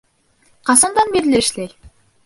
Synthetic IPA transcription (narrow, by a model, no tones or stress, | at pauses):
qɑsɑnd̪ɑnbiɾlɘʃlæj